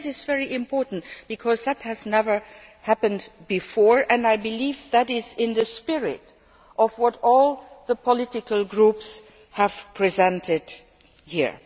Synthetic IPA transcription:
sɪzvɛɹiʔɪ̃mpʰɔɹʔn̩tb̥ɨkʰɔzðɨt̚hɨznɛvə˞hæpɨ̃ndbɨfɔɹɨ̃naɪbɨlivðɨɾɪzɪ̃nðɨspɪɹɪ̰ɾ | ʔʌvwʌɾɔlˠðəpʰəlɪtɪkəlˠɡɹups | həv̥pʰɹ̥izɛ̃ntɪd̥ | hḭɹ

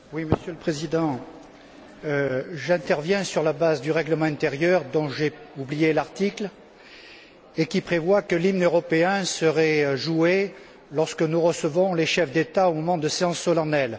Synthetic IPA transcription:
wiməsjøləpχezid̪ɑ̃ | øʒɛ̃t̪ɛʁvjɛ̃syʁlabazd̪yʁɛɡləmɑ̃ɛ̃t̪eʁjœʁd̪ɔ̃ʒeublijelaʁt̪ikl | ekipχevwakəlimnøʁɔpeɛ̃səʁɛøʒue | lɔʁskənuʁəsəvɔ̃leʃɛfd̪et̪aomɔmɑ̃d̪əseɑ̃sːɔlanɛl

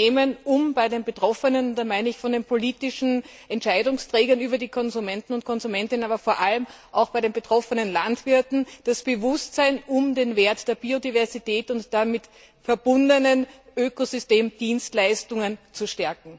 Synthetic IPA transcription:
eːmənʊmb̥aɪdeːnbətʁ̥ɔfənənʊnd̥aːmaɪnəɪçfɔndeːnpʰoliːtɪʃn̩ | ʔɛntt͡ʃʃaɪdʊŋstʁ̥ɛːɡɐnyːbɐdiːkʰɔnzumɛntn̩ʊnt̚kʰɔnzumɛntɪnənaːbɐfoːɐʔaləmʔaʊxb̥aɪɾeːnbətʁ̥ɔfənənlantv̥ɪɐtn̩d̥asb̥əvʊstsaɪnʊmdeːnveːɐtd̥eːɐbiːodivɛɐzitɛːtʊntd̥amɪt | fɛɐbʊndənənʔøːkozʏsteːmd̥iːnstlaɪstʊŋənt͡suʃtɛɐkŋ̩

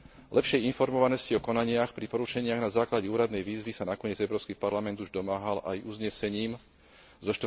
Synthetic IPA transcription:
lɛpʃɪɛjinfɔɾmɔʋanɔsciɔkɔnaɲɪaxpɾipɔɾut͡ʃɛɲɪaɣnazaːklaɟɛuːɾad̪nɛjʋiːzʋisanakɔɲɪɛd͡zɛʊɾɔːskiːpaɾlamɛnd̪uʒd̪ɔmaːɦalʔa̰jʔuzɲɛsɛɲiːm | zɔʃt̪

